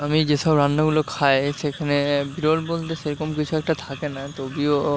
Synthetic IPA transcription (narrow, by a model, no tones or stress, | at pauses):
amid͡ʑeʃɔbɾanːoɡulokʰajʃekʰanebiɾolbolt̪eʃeɾɔkomkit͡ɕʰuɛk̚ʈat̪ʰakenat̪obio